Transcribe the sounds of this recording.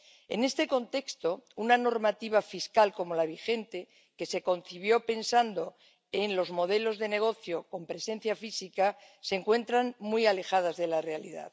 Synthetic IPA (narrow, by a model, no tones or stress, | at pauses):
e̞̰nest̪e̞ko̞nt̪e̞kst̪o̞unano̞ɾmat̪iβ̞afiskalko̞mo̞laβ̞ixe̞nt̪e | ke̞se̞ko̞nθiβ̞jo̞pe̞nsand̪o̞ | e̞nlo̞zmo̞ð̞e̞lo̞zðe̞ne̞ɣ̞o̞θjo̞ko̞mpɾe̞se̞n̟θjafisika | seŋkwe̞nt̪ɾaŋmujale̞xað̞azðe̞lare̞alḭða̰ð